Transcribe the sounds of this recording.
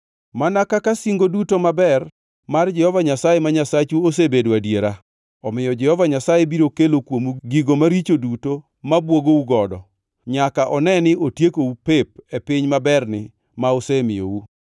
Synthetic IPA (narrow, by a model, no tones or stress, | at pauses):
manakakasiŋɡodutomabɛr | mard͡ʒɛhɔvaɲasajemaɲasat͡ʃuos̬ebedwadjeɾa | ɔmɪjɔd͡ʒɛhɔvaɲasajebiɾokelokwomuɡiɡomaɾit͡ʃoduto | mabwoɡouɡɔdɔ | ɲakaʔɔnɛnɪʔotjekoupep̚epɪɲmabɛrnɪ | maosemɪjo̰u